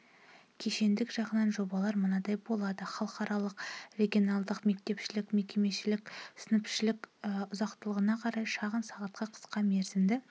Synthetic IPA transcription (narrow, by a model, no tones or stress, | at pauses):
kʲʰe̞ʃe̞nd̪ɪkʒɑʁənɑnʒo̞bɑlˠɑɾmənɑd̪ɑjbo̞lˠɑd̪əχɑlˠəqɑɾʔɑlˠəqrʲe̞ɡʲio̞nɑlˠd̪əqme̞k̚t̪e̞pʃɪlɪkme̞kʲe̞me̞ʃɪlɪksɪnɪpʃɪlɪkʊzɑqt̪əlˠəʁənɑqʰɑɾɑjʃɑʁənsɑʁɑt̪̚qɑqʰə̥sqɑme̞ɾzɪnd̪ɪ